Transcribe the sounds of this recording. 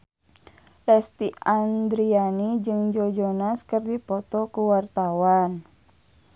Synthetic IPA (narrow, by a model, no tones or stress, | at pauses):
lɛst̪iand̪ɾianid͡ʒɨŋd͡ʒɔd͡ʒɔnaskɨrdipɔt̪ɔkuwart̪awan